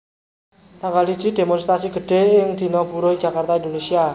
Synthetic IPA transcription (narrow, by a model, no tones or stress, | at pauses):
t̪aŋkalid̥ʒ̥i̤d̪̥e̤mɔnst̪ɾasiɡ̥ə̤ɖ̥e̤ɪŋd̪̥i̤nɔpuɾoidd͡ʒ̥akart̪aind̪onesia